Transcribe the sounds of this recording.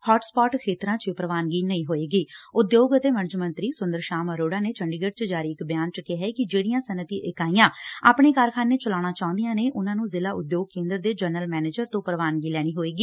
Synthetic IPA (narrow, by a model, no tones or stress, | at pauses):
hɔːʈspɔːʈkʰeːt̪ɾãːt͡ʃpɾəʋaːnɡiːnəĩːɦoːeːɡiːʊd̪joːɡət̪eːməɾd͡ʒmənt̪ɾiːsʊnd̪əɾʃaːməɾoːɖaːneːt͡ʃʰəɳɖɪɡəʈt͡ʃəd͡ʒaːɾiːɪkbɪjaːnt͡ʃəkeɦɛːeːkɪd͡ʒeːɽijãːsənət̪iːʔɪkaːijãːa̰ːpɳ̃eːkaɾkʰaːneːt͡ʃəlaːɽ̃aːt͡ʃaːʊ̃nd̪ijãːneːʔʊnãːnũːzɪlaːʊd̪joːɡ̚kẽːnd̪əɾd̪eːd͡ʒəɾnəlmɛːneːd͡ʒəɾt̪õːpəɾəʋaːnɡiːlɛːɽ̃iːɦoːeːɡiː